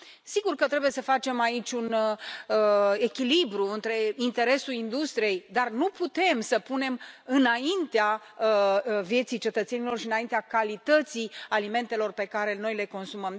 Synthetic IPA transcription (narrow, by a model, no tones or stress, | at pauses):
siɡurkət̪ɾe̞buje̞səfat͡ʃe̞mait͡ʃʲunəe̞kʲilibɾuɨnt̪ɾe̞int̪e̞ɾe̞sulind̪ust̪ɾije̞jd̪arnuput̪e̞msəpune̞mɨnaint̪ea | əvje̞t̪sijt͡ʃe̞t̪ət̪se̞nilo̞rʃiɨnaint̪eakalit̪ət̪sialime̞nt̪e̞lo̞rpe̞kaɾe̞no̞jle̞ko̞nsuməm